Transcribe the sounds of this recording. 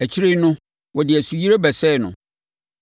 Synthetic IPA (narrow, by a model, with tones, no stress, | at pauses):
æ˨t͡ɕʰi˦ɾe˦nʊ̃˦ | wɔ˨dɪ˨æ˨su˨ji˦ɾe˦bɛ˨sɛ˦˨nʊ̰̃˨